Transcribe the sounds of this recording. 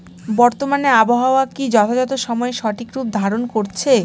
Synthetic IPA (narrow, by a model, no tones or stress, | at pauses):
bɔɾt̪omaneaboɦaoakid͡ʑɔt̪ʰad͡ʑɔt̪̬oʃɔmɔeʃɔʈʰikɾub̚d̪ʱaɾonkoɾt͡ɕʰe